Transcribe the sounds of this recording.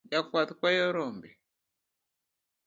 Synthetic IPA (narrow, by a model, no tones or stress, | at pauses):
jakwat̪kwajɔɾɔmbɛ